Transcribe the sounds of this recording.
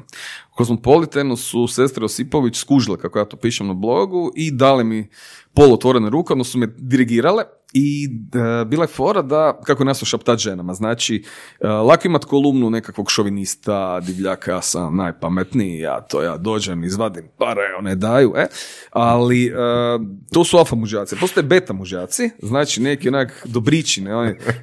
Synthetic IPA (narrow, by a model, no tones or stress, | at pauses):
kozmopo̞lit̪enosusest̪ɾeosipo̞ʋit͡ʃskuʒilekakojaːt̪opiːʃemnablˠo̞ɡuʔid̪aːlemipolˠot̪ʋo̞ɾeneɾuːkeod̪nosumed̪iɾiɡiːɾale | i | biːlajefoːɾad̪akakoenesoʃapt̪at̪ʒenamaznaːt͡ʃiəlˠakoimat̪kolˠumnunekakʋo̞ɡʃoʋinist̪ad̪iʋʎaːkajasa̰mnajpamet̪niija̰t̪ʰo̰ja̰ːd̪o̞ːd͡ʒemizʋad̪impaɾaeoned̪aːjuʔealiət̪osualfamuʒaːt̪sipost̪ojebet̪amuʒaːt̪siznaːt͡ʃinekionakd̪obɾit͡ʃineoni